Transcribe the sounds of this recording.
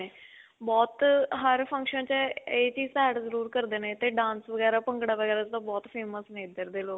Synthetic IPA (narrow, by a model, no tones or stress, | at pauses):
eː | bɔːt̪ɦəɾpʰə̃ŋkʃənt͡ʃeːt͡ʃiːzt̪ɛːɖzəɾuːɾkəɾd̪eːnẽːt̪eːɖãːnsʋəɡɛːɾaːpə̃ŋɡɽaːʋəɡɛːɾaːt͡ʃt̪ãːbɔːt̪pʰeːməsnẽːɪd̪əɾd̪eːloː